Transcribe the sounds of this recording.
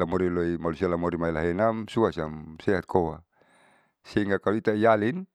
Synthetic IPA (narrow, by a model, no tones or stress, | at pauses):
amoɾiloimalusialamoɾimailaɦenamsuasamseɦat̪̚kʰowa | siŋɡakaluit̪aijalin